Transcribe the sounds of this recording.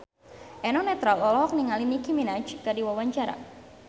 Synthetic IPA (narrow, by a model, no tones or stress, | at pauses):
ʔɛnɔnɛt̪ɾalɔlɔɦɔk̚niŋalinikiminat͡ʃkadiwawaɲt͡ʃaɾa̰